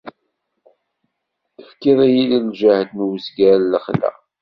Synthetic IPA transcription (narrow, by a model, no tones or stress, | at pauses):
əfkiðˤæjililʒæhd̪nwəzɡæləχlæ̰